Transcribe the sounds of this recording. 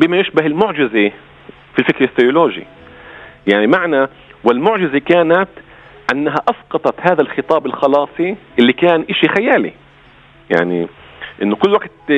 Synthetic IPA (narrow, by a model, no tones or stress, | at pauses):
bɪmajɪʃbaɦɪlmʊʕd͡ʒɪze | filfɪkɾaθːʊjʊloːʒḭ | jaʕnimaʕna | wɪlmʊʕʒɪzekaːnat̪ | ʔanːaɦaʔɑsqɑt̪ˤɑt̪haːðalxɨt̪ˤɑːbɪlxɑlɑːsˤiʔɪlːikaːnʔɪʃixajaːlḭ | ja̰ʕnḭ | ʔɪnːʊkʊlːwaɡt̪